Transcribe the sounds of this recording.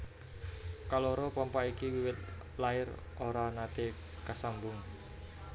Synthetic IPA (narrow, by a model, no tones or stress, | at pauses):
kalɔɾɔpɔmpaikiwiwɪt̪̚ | laɪr | ʔoɾanat̪e | kasambʊŋ